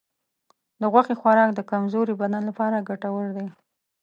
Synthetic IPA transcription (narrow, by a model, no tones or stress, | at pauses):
d̪əɣwaxexwaɾɑkd̪əkamzoɾibananlapɑɾaɡaʈawəɽd̪e